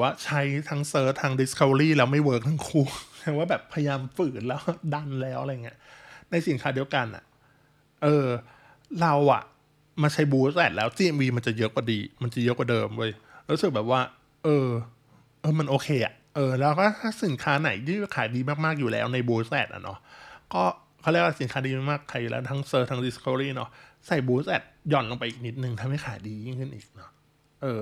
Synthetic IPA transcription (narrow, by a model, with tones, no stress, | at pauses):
ɛ˨˩waː˥˩t͡ɕʰa˦˥jt̪ʰa˦˥ŋsɤː˦˥t̪ʰːaː˦˥ŋdi˦˥skʰa˧wɾiː˥˩lɛː˦˥wma˥˩jwɤː˦˥k̚t̪ʰaː˧˥ŋkʰuː˦˥˩tʰaː˧˩˦waː˥˩bɛː˨˩pʰːa˧ja˧jaː˧mfɯː˨˩k̚lɛː˦˥wda˧˥˩nlɛː˦˥wʔa˧ɾa˧jːŋːi˦˥əna˧jsi˨˩˦nkʰaː˦˥di˧wka˧nʔa̰˨˩ | ʔɤː˧ | ɾa˧wʔa̰˨˩ | ma˧t͡ɕʰa˦˥jbuː˧˦˥sɛː˨˩t̪̚lɛː˦˥wt͡ɕiː˧ʔɛ˧mwiː˧ma˧nt͡ɕa˨˩jɤ˦˥kwaː˨˩diː˧ma˧nt͡ɕa˨˩jɤ˦˥kwa˨˩dɤː˧mwːjɾu˦˥sɯ˨˩k̚bɛː˨˩p̚waː˥˩ | ʔɤː˧ | ʔɤː˧ma˧nʔoː˧kʰeː˧ʔa̰˨˩ʔʔɤː˧lɛː˦˥wkʰa˥˩˥t̪ʰaː˥˩si˨˩˦nkʰaː˦˥na˩˦jjiː˥˩˥kʰaː˨˩˦jdiː˧maː˥˩k̚maː˥˩k̚juː˨˩lɛ̰ː˦˥wna˧jbuː˧sɛː˨˩t̪̚ʔa̰˨˩nɔ̰˦˥ʔkɔː˥˩ | kʰa˥˩lɛː˥˩waː˥˩si˨˩˦nkʰaː˦˥diː˧ma˥˩maː˥˩kʰːaː˨˦juː˨˩lɛː˦˥t̪ʰa˦˥ŋsɤː˧t̪ʰa˦˥ŋdi˦˥skʰo˧ɾiː˥˩nɔ̰˦˥ | sa˨˩jbuː˧sɛː˨˩t̪̚jɔ˨˩nlo˧ŋpa˧jʔiː˨˩k̚ni˦˥t̪̚nɯ˨˧ŋt̪ʰa˧mha˥˩jkʰaː˨˩˦jdiː˧ji˦˥˩ŋkʰɯ˥˩nʔiː˨˩k̚nɔ˦˥ | ʔɤː˧